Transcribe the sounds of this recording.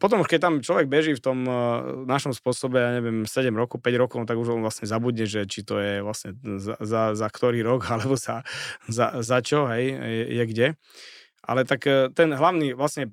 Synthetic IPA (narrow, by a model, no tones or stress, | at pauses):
pɔt̪̬ɔmuʃkɛc̚t̪amt͡ʃlɔʋɛɡ̚bɛʒiːft̪ɔmnaʃɔmspʊɔsɔbɛjaːɲɛʋɪɛmsɛɟɛmɾɔkɔʊpɛɟɾɔkɔʊt̪aɡuʒɔnʋlasɲɛzabud̪ɲɛʒɛt͡ʃit̪ɔjɛʋlasɲɛzazazakt̪ɔɾiːɾɔɡalɛbɔzazazat͡ʃɔɦɛjjɛjɛɡɟɛ | ʔa̰lɛt̪akt̪ɛnɦlaʊniːʋlasɲɛ